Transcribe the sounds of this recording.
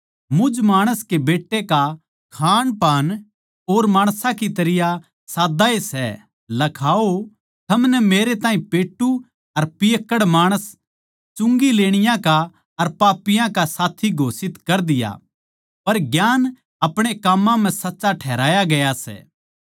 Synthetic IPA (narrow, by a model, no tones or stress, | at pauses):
mʊd͡ʒmaːɽ̃əskebeːʈːeka | kʰaːnpaːn | oːɾmaːɽ̃sãkit̪ɐɾɪja | saːd̪aesɛ̰ | lɐkʰaːo | t̪ʰɐmnɛmeːɾet̪aːɦĩpeːʈːu | ɐɾpijəkːəɽmaːɽ̃əs | t͡ʃʊ̃ŋɡileːɽ̃ɪjãka | ɐɾpaːpːɪjãkasaːt̪ʰiɡʱoːsɪt̪kɐɾd̪ɪja̰ | pɐɾɡjaːn | ɐpɽ̃ekamːãm̤ɛ̃sɐtːʃaʈʰɛːɾaːjaɡɐjasɛ̰ː